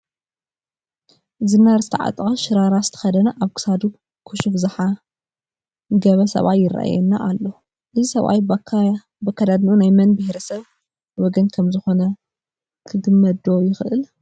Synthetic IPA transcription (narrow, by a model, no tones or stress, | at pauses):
zɨnːaɾzɨt̪ʰɐʕa̰t̪ʼkʼɐʃɪɾaɾasɨ̥t̪ʰɐ̥xɐd̪ɐnaʔaβkɨ̥sad̪u | kʰuʃufzɨħa | ɡɐβɐsɐ̰βajːɪra̰ʔa̰jɛnːaʔalːo | ʔɨzisɐβa̰j | bɐkʰːad̪ad̪niunajmɐnbɨhɾɐsɐβ | wɔɡɐnkʰɐmzɨxo̞nɐ | kʰɨɡɨmːɐd̪o̞jɪxʔɨl